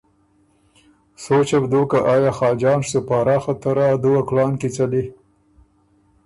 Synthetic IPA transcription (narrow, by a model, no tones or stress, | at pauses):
sot͡ʃabd̪oːkaʔɑːjɑːxɑːd͡ʒɑːnʂt̪upɑːɾɑːxat̪aɾad̪uwaklɑːnkit͡sali